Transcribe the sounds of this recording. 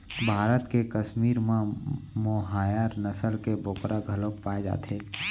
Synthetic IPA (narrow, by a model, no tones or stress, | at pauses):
bʱaːɾət̪kekəʃmiːɾmãmoɦaːjaːɾnəsəlkeboːkɾʔaɡʱəlokpaːed͡ʒa̰ːt̪eː